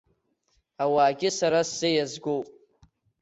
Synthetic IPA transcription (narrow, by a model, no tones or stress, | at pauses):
awaːɡʲɪsaɾasz̥ejazɡowpʼ